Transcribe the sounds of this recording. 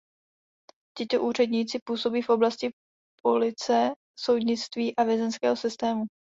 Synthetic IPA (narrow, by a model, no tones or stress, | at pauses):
cɪt̪o̞ʔuːr̝ɛd̪ɲiːt͡sɪpuːso̞biːfʔo̞blascɪ | pʰo̞lɪt͡sɛ | so̞wd̪ɲɪt͡st̪viːʔavjɛzɛnskɛːɦo̞sɪst̪ɛːmu